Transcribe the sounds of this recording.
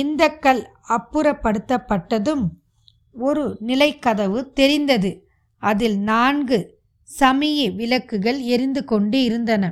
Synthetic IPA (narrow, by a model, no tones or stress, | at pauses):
ɪnd̪ɐkːɐɭ | ɐpːɯɾɐpːɐɽɯt̪ːɐpːɐʈːɐðɯm | ɔɾɯnɪlɐɪkːɐðɐʋɯt̪ɛɾɪnd̪ɐðɯ | ʔɐðɪlnaːɳɡɯ | sɐmɐjɐʋɪlɐkːɯɣɐɭɛɾɪnd̪ɯkɔɳɖɯɪɾɯnd̪ɐnɐ